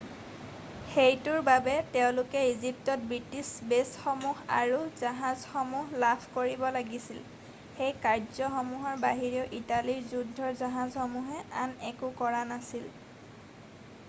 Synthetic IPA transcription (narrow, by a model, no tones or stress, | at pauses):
xejtʊɹbabɛtɛʊ̃lʊkɛizip̚tɔt̚bɹitisbesxɔmuɦa̰ɹuzaɦazxɔmuɦlapʰkoɹibɔlaɡisil | xejkaɹzɔxɔmuɦɔɹbaɦiɹiɔʔitaliɹzudʱːɔɹzaɦazxɔmuɦɛanɛkʊkɔɹanasil